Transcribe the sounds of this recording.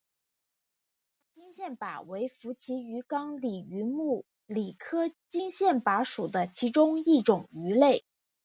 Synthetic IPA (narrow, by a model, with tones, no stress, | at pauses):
t͡ɕi˥ŋɕjɛ˥˩npa̰˨˩we˧˥ɪfu˧˥t͡ɕʰi˧˥y˧˥kɑ˥ŋli˨˩y˧˥mu˥˩ | li˨˩kʰɤ˥t͡ɕi˥ŋɕjɛ˥˩npa˧˥ʂu˨˩d̪ə˦t͡ɕʰi˧˥ʈ͡ʂʊ˥ŋi˥˩ʈ͡ʂʊ˨˩ŋy˧˥le˥˩ɪ